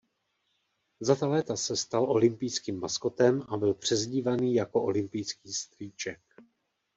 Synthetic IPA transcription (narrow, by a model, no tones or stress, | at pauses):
zat̪alɛːt̪asɛst̪alʔo̞lɪmpɪjskiːmːasko̞t̪ɛmʔabɪlpr̝̥ɛzɟiːvaniːjako̞ʔo̞lɪmpɪjskiːst̪riːt͡ʃɛk̚